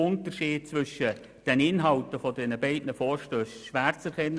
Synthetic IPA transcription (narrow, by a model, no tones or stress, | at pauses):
ʊntəʃiːd̚t͡sʋʏʃə | d̥ɛnɪnɦɑltəfɔdɛnəbɛɪdnəfɔːɾʃtøːsʃʋæːɾt͡sɛɾkʰɛnː